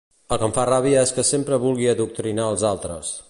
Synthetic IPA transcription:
əlˠkəɱfaraβiəeskəsempɾəβulˠɣiəðuk̚t̪ɾinaəlˠzalˠt̪ɾə̰s

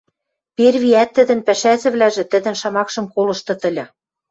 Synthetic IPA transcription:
perβiæt̪ːɘ̆d̪ɘ̆npæʃæzɘ̆βlæʒĕt̪ɘ̆d̪ə̆nʃɑmɑkʃɤ̆mkolɤ̆ʃt̪ɤ̆t̪ə̆lʲɤ̆

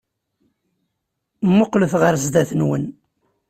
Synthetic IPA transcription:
mːʊqləθʁəɾzd̪æθənwən

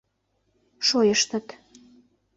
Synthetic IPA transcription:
ʃojəʃt̪ət̪

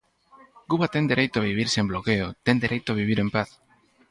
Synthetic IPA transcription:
kuβat̪end̪eɾejt̪oaβ̞iβ̞iɾsemblokeot̪end̪eɾejt̪oaβ̞iβ̞iɾempaθ

